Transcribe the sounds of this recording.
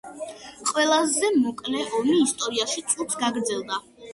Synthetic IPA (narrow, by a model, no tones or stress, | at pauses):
qʼwɛlˠazɛmɔkʼlɛʔɔmiːst̪ʼɔɾiaʃit̪sʼut̪ʰɡaɡɾd̪zɛlˠd̪a